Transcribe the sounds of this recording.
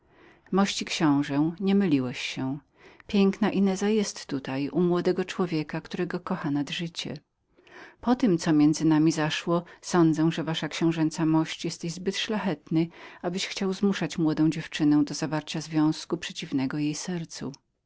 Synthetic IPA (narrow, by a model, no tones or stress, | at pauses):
mɔɕt͡ɕikɕɔ̃w̃ʐɛɲɛmɘlʲiwɛɕːɛ | pʲjɛŋknaʔinɛzajɛst̪ːut̪ajumwɔd̪ɛɡɔt͡ʂwɔvʲjɛkakt̪uɾɛɡɔkɔxanad̪ʐɘt͡ɕɛ̰ | pɔt̪ɘmt̪sɔmʲjɛnd̪zɘnamʲizaʂwɔsɔnd̪zɛw̃ʐɛvaʂakɕɛ̃w̃ʐɛnt̪samɔɕt͡ɕjɛst̪ɛʑzbɘt̪ʂlaxɛt̪nɘabɘɕxt͡ɕawzmuʂat͡ɕmwɔd̪ɔ̃d͡ʑɛft͡ʂɘnɛw̃d̪ɔzavaɾt͡ɕazvʲjɔ̃w̃skupʂɛt͡ɕivnɛɡɔjejsɛɾt̪sṵ